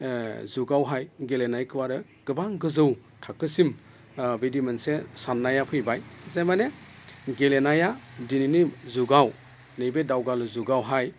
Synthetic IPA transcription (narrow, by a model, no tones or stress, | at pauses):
zuɡawɦajɡelenajkʰɯwaɾɯ | ɡ̥ɯbaŋɡɯzɯw | tʰakːɯsim | bidimensesanːajapʰɯjbajzajmaneɡelenajadininizuɡaw | nɯjbedawɡalɯzuɡawɦaj